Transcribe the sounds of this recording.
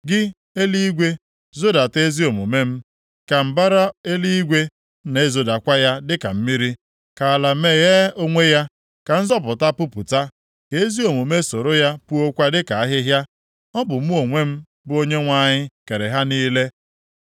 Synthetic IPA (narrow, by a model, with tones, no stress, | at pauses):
ɡɪ˦ | e˦li˦ɡʷe˦ | zo˦da˨te˦zi˦o˨mu˨me˦m̩˦ | ka˨m̩˨ba˦ɾa˦e˦li˦i˦ɡʷe˦ | ne˨˦zo˨da˨kʷa˦ja˦dɪ˦ka̰˨m̩˦mi˦ɾi˦ | ka˨a˨la˨me˦˨ɣe˦o˦ŋʷe˦ja˦ | ka˨n̩˦zɔ˦p̬ʊ˨ta˦pu˦pu˨ta˦ | ke˨e˦zi˦o˨mu˨me˦so˨ɾo˦ja˦pu˦o˦kʷa˦dɪ˦ka˨a˦ɦɪ˦ɦja˦ | ɔ˦bʊ˨m̩˦o˨ŋʷe˦m̩˦ | bʊ˦o˦ɲe˦ŋʷa˦˨ɲɪ˦ke˨ɾe˨ɦa˦niː˦le˦